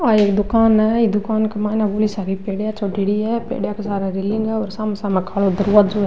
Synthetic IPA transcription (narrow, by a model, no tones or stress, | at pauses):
aːeːkd̪ʊkaːnɛid̪ʊkaːnkemaːnãboːlisaːɾipeːɽjat͡ʃoɖiɽiːɛːpḛːɽjaːkesaːɾeɾɪlɪŋɡɛɔːɾsaːmesaːmẽkʰaːlozəɾuːɾət̪d͡ʒoːɛː